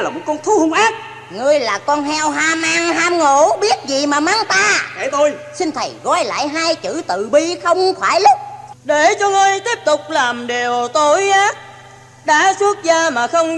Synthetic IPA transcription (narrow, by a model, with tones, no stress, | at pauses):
laː˨˩mo˨˩t̚kɔ˧nt̪ʰu˨˦hʊ˧ŋ͡mʔaː˦˥t̚ | ŋɨ˧əjlaː˨˩kɔ˧nɦɛ˧wɦaː˧mʔaː˧ŋɦaː˧mŋo˧˨ɓi˦˥ət̚zi˨˩maː˨˩maː˧ŋt̪aː˧e˧˩t̪o˧jsï˧n̟t̪ʰə˨˩jɣɔ˧˩jla̰ː˧˨jɦaː˧jt͡ɕɨ̰˧˩t̪ɨ̰˧˨ɓi˧xə˧wŋ͡mxwaː˧˩jlʊ˦˥k͡p̚ɗe˧˩t͡ɕɔ˧ŋɨ˧əjt̪i˦˥əp̚t̪ʊ˨˩k͡p̚laː˨˩mɗe˨˩wt̪o˧jʔaː˨˦ | ɗa̰ː˧˥su˦˥ət̚zaː˧maː˨˩xə˧wŋ͡m